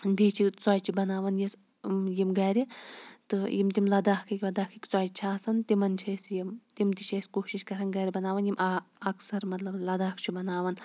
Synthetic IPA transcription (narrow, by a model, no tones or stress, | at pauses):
bʱiːt͡ʃʰit͡saːjt͡ʃʰibɐnaːʋɐnjis | jimɡɐːɾit̪ɨjimt̪imlɐd̪aːhkʰɐkʲʋɐd̪aːkʰɐkʲt͡saːjt͡ʃʰaːsɐnt̪imɐnt͡ʃʰɐjsjimt̪imt̪iʃʰɐjskoːʃiʃkɐɾɐnɡɐːɾʲibɐnaːʋɐnjimʔɐɐksɐɾmɐt̪lɐblɐd̪aːkʰt͡ʃʰubɐnaːʋɐn